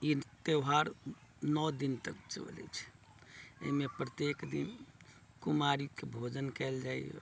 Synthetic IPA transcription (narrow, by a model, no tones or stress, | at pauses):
it̪ewɦaɾnɔd̪int̪ək̚t͡ʃo̰lɛ̰t͡ʃʰ | ḛimepɾət̪ekd̪in | kumaɾikebʱod͡ʒənkɛld͡ʒaj̰